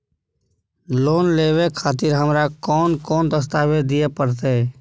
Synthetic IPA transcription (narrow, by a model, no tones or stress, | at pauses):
loːnleːʋekʰaːt̪ɪɾɦəmɾakɔːnkɔːnd̪əs̬t̪aːʋed̪ɪjepəɾt̪̬e